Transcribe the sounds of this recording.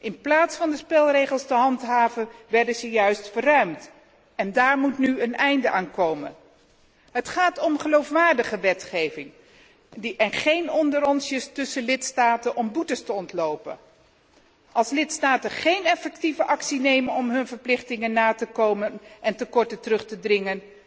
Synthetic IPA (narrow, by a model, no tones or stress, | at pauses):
ʔɪnplaːtsfɑndəspɛlˠrejχəlˠstəɦɑntɦaːvənʋɛɹdəzəjœɥstfərœɥmt | ɛndaːɹmutnyənɛjndəʔaːnkowmə̰n | ɦətχaːtɔmχəlowfʋaːɹdəχəʋɛtχejvɪŋ | diʔɛnχejnɔndəɾɔnsjəstɵsəlɪtstaːtənʔɔmbutəstəɔntlowpə̰n | ʔɑlˠslɪtstaːtəχejnɛfɛk̚tivəʔɑksinejmənɔmɦɵnvəɹplɪχtɪŋənːaːtəkowmənʔɛntəkɔɹtətərɵχtədrɪŋən